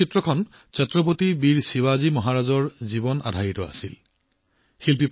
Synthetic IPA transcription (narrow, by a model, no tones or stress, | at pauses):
itɹɔkʰɔn | t͡ʃɛtɹɔp̬otibiɹsiwazimɔɦaɹazɔɹzibɔna̰dʱajitɔa̰sḭl | xilpip